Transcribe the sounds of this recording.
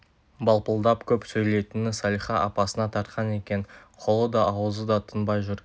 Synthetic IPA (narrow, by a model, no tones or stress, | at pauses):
bɑlˠpəlˠd̪ɑpkʲʰɵpsɵjle̞jt̪ɪnɪsɑlʲijχɑʔɑpɑsənɑt̪ʰɑɾt̪qʰɑne̞kʲe̞nqʰo̞lˠəd̪ɑʔːwəzəd̪ɑt̪ʰənbɑjʒʊɾ